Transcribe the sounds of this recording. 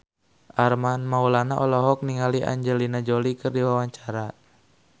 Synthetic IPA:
ʔarmanmaulanaʔɔlɔɦɔk̚niŋaliʔa̰ɲd͡ʒɛlinad͡ʒɔlikɨrdiwawaɲt͡ʃaɾa

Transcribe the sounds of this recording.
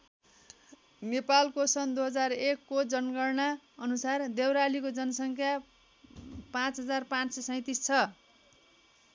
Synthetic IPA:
nepalkosʌnd̪uɦʌd͡zarekːod͡zʌnɡʌrnaʌnusard̪ewɾalikod͡zʌnʌsʌŋkʰja | pãt͡sɦʌd͡zarpãt͡ssʌsʌ̃ĩt̪ist͡sʰʌ

